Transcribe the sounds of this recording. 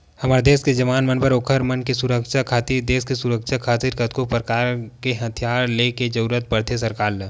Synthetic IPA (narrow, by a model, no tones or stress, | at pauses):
hɐmaːɾed̪eːsked͡ʒɐʋaːnmənpəɾoːkʰəɾmənkesʊɾəkʃakʰaːt̪iɾd̪eːskesʊɾəkʃakʰaːt̪ɪɾkət̪̚kopɾəkaːɾkeɦɐt̪ʰijaːɾleked͡ʒɐɾuɾət̪̚pəɾt̪ʰes̬ɐɾkaːl